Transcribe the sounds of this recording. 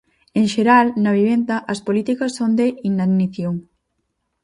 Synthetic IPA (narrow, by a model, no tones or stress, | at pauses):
eŋʃeɾalnɐβ̞iβ̞end̪ɐʔɐspolit̪ikɐsːond̪eʔinaniθjoŋ